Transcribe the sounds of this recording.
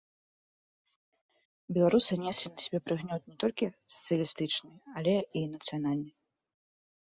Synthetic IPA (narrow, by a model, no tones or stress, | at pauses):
bʲɛlˠaɾusɨnʲɛsʲlʲinɐsʲɛbʲɛpɾɨɣnʲɔt̪̚nʲɛt̪ɔlʲkʲisɐ̥t̪sɨjɐlʲist̪ɨt͡ʂnɨalʲɛinɐt̪sɨjanalʲnɨj